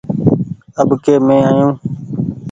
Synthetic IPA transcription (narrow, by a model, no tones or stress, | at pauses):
əbkeːmẽːaːjũː